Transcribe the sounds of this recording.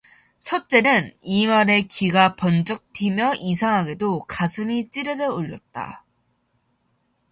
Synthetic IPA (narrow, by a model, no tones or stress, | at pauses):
t͡ɕʰʌt̚t͡ɕ͈e̞nɯnimaɾe̞kiɡapʌnd͡ʑʌk̚tʰimjʌʔis̬ʰaŋɦaɡe̞dokasʰɯmit͡ɕ͈iɾɯɾɯoʎːʌt̚t͈a̰